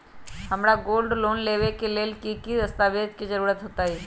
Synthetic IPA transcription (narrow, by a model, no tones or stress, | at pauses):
həmɾaɡoːlɖloːnleːʋekeleːlkikid̪əst̪aːʋeːd̪kizəɾuːɾət̪ɦoːt̪aɦɛː